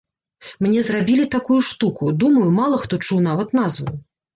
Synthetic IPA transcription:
mnʲɛzrabʲilʲit̪akujuʂt̪ukud̪umɐjumalˠɐxt̪ɔt͡ʂuwn̪avɐt̪nazvu

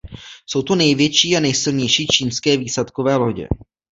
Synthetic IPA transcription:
so̞wt̪unɛjvjɛt͡ʃiːanɛjsɪlɲɛjʃiːt͡ʃiːnskɛːviːslat̪kovɛːloɟɛ̰

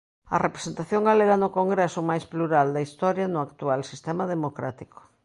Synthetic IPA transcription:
ɐ̰repɾe̥sent̪aθjoŋɡaleɾanʊkoŋɡɾesʊmajspluɾald̪ɐist̪ɔɾjɐnʊakt̪ualsist̪ɛmɐðemokɾa̰t̪iko̥

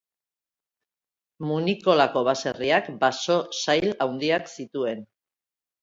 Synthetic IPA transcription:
muniko̞lako̞βase̞riakbaso̞sajlawnd̪iaksit̪ue̞n

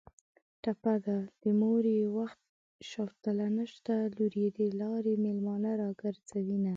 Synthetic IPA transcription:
ʈapad̪ad̪̥əmoɾewaxt̪̚ | ʃɑwt̪əlanəʃt̪aluɾjed̪elɑɾemelmɑnaɾɑɡəɾzawina

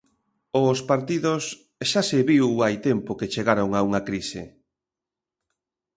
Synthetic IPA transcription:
ʊspaɾt̪iðos | ʃasɪβiwajt̪empoket͡ʃeɣaɾoŋauŋakɾisɪ

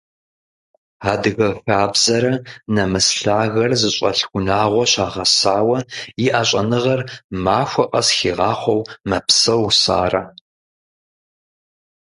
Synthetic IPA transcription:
aːdɨɣɐfaːbzɐɾɐnɐmɨsɬaːɣɐrzɨɕʼɐ̰ɬxʷʊnaːʁʷɔɕaːʁɐsaːwɐjɪʔaːɕʼɐnɨʁɐrmaːxʷɐqʼɐsxiːʁɑːχʷɔwmɐpsɐwsa̰ːrɐ

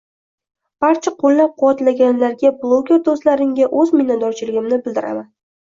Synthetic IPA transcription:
b̥aɾt͡ʃʰaqʰolːap̚qʰʊwat̪laɡʲanlaɾɡʲablˠoɡʲe̞ɾd̪oslaɾɪŋɡʲaʔɵzmɪnːat̪̚d̪ɒɾt͡ʃʰɪlɪɡʲɪmnɪbɪld̪ɪɾa̰man

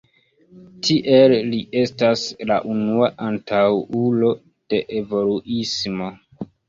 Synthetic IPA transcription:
tʰiʔelːie̞stasla̰ʔunuaʔantʰawulo̞ | d̥e̞ʔevo̞luʔismo̞

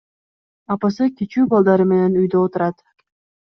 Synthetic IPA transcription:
ɑpɑsɯkʲit͡ʃyːbɑlˠd̪ɑɾɯme̞ne̞nyjd̪øot̪uɾɑt̪

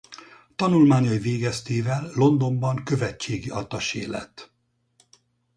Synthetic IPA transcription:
t̪ɒnulmaːɲɒjiveːɡɛst̪eːvɛlːo̞nd̪o̞mbɒŋkø̞vɛt͡ʃːeːɡiɒt̪ɒʃḛːlɛ̰t̪ː

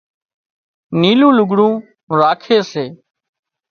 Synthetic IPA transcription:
niːlũːlʊɡɽũː | ɾaːkʰeːseː

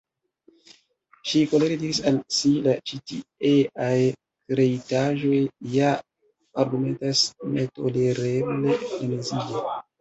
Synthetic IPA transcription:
ʃiko̞leɾediɾisalsilat͡ʃitieʔaj | kɾe̞itaʒo̞jːa | aɾɡume̞ntasneto̞̰le̞ɾeble̞enezie

